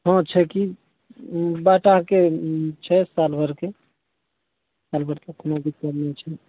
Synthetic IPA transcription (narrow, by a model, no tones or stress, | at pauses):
ɦɔ̃t͡ʃʰɛki | baʈaket͡ʃʰɛsalbʱəɾke | salbʱəɾkekʰonobit͡ʃaɾnet͡ʃʰɛ